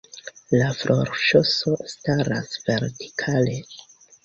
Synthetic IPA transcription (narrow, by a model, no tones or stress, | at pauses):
lafɾʔoɾʃoso̞staɾa̰sve̞ɾti̥kʰale̞